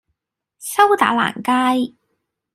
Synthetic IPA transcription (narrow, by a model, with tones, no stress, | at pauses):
sɐ˥wt̪a̰ː˨˥la̰ː˨˩nkaː˥j